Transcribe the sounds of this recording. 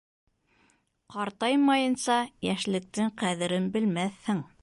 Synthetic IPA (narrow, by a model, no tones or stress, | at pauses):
qɑɾt̪ɑjmɑjɤ̆nsɑjæʃlɘ̆k̚t̪ɘŋqæðɘ̆ɾɘnbɘ̆lmæθhɘŋ